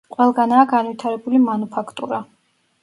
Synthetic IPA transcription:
qʼwɛlˠɡanaːɡanvwit̪ʰaɾɛbulimanupʰakʰt̪ʼṵɾa

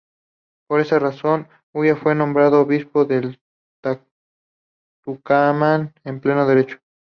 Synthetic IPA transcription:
po̞ɾe̞saraso̞n | ujafwe̞nõ̞mbɾaðoːβispo̞ðel | t̪a | t̪ukamanemple̞noðe̞ɾet͡ʃo̥

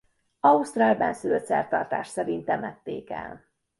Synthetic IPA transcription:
ɒust̪raːlbɛnsyløt̪sɛrt̪ɒrt̪a̰ːʃsɛɾint̪ɛmɛt̪ːeːkɛ̰l

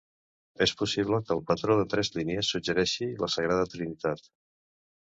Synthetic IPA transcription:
espusiβ̞ləkəːlˠpət̪ɾoðət̪ɾɛzliniəsːud͡ʒəɾɛʃiləsəɣ̞ɾaðət̪ɾinit̪at̪

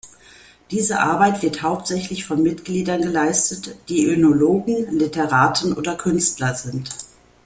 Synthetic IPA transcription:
d̥iːzəʔa̰ɐbaɪtv̥ɪɐthaʊp̚tz̥ɛçlɪçfɔnmɪtɡ̥liːdɐnɡəlaɪstətd̥iːʔʏnoloːɡŋ̩lɪtəʁaːtn̩ʔo̰ːdɐkʰʏnstlɐzɪnt

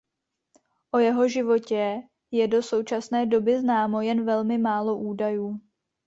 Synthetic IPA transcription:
ʔo̞jɛɦo̞ʒɪvo̞cɛ | jɛdo̞so̞wt͡ʃasnɛːdo̞bɪznaːmo̞jɛnvɛlmɪmaːlo̞ʔuːdajuː

